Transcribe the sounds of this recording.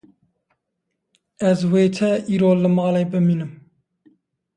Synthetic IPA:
ɛzweːt̪ʰɛʔiːɾoːlɨmɑːlebɨmiːnɨm

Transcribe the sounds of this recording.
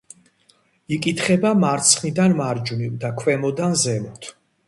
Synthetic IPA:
ikʼit̪ʰχɛbamaɾt̪sʰχnid̪anmaɾd͡ʒuniwd̪akʰwɛmɔd̪anzɛmɔt̪ʰ

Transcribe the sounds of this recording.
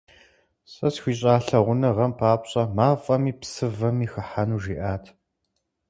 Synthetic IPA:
sʼɐsxʷiːɕʼaːɬɐʁʷʊnɐʁɐmpʰaːpɕʼɐmaːfʼɐmiːpsɨvɐmiːxɐħanuːʒiːʔaːtʰ

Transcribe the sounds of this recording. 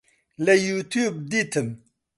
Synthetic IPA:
lejut̪juːb̚d̪it̪ʰɨm

